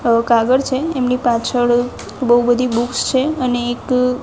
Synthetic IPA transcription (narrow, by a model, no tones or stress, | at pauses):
kaɡəɾt͡ʃʰeemnipat͡ʃʰəɽ | bəɦubəd̪ʱibukst͡ʃʰeəneːk